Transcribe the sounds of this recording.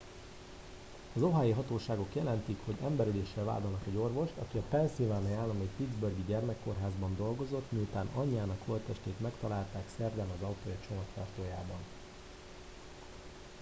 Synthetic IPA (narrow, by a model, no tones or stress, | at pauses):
ɒzo̞ɦaːjiɦɒt̪oːʃaːɡo̞kjɛlɛnt̪ikho̞ɟɛmbɛɾyleːʃːɛlva̰ːd̪ɒnɒkɛɟo̞rvo̞ʃt̪ɒkiɒpɛnsilvaːnɒjaːlːɒmiipid̪zbørɡiɟɛrmɛkːo̞rɦaːzbɒnd̪o̞lɡo̞zo̞t̪miut̪aːnɒɲːaːnɒkʋo̞lt̪ɛʃt̪eːt̪mɛkt̪ɒlaːlt̪aːksɛrd̪ɛnɒzɒwt̪ojɒt͡ʃomɒt̪fɒrt̪oːjaːbɒn